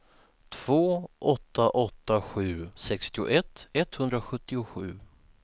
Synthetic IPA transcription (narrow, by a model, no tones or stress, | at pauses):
t̪ʰv̥oːʔɔt̪ːaʔɔt̪ːaɧʉ̟ːsɛkst̪ɪʊ̰ʔɛt̪ːɛt̪hɵnd̪ɾaɧɵt̪ːɪʊɧʉ̟ː